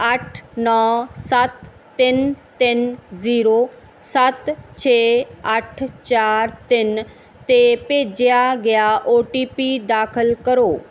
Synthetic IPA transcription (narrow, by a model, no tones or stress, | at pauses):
əʈʰnɔːsət̪ː | ɪnt̪ɪnziːɾoː | sət̪t͡ʃʰeːəʈʰt͡ʃaːɾt̪ɪn | t̪eːpeːd͡ʒɪjaːɡɪaːʔoːʈiːpiːd̪aːkʰəlkəɾoː